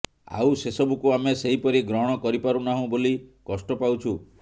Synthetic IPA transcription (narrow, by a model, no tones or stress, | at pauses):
a̰wsesɔbukuameseɦipɔɾiɡɾɔɦɔɽ̃ɔkɔɾipaɾunaɦũbolikɔsʈɔpawt͡ʃʰu